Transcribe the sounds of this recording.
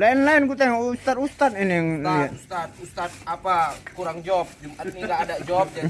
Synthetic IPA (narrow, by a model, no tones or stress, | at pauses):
laɛnlaɛnkut̪aŋst̪at̪ust̪at̪̚inijaŋlist̪at̪̚ust̪at̪̚apakuɾaŋd͡ʒɔp̚d͡ʒəmat̪̚niɡaːdad͡ʒɔp̚d͡ʒa